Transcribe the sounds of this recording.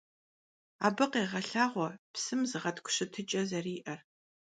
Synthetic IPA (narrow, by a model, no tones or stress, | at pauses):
a̰ːbɨqeːʁɐɬaːʁʷɔpsɨmzɨʁɐtkʷʰʼʊ̥ɕɨtʰɨt͡ʃʼɐzɐriːʔɐr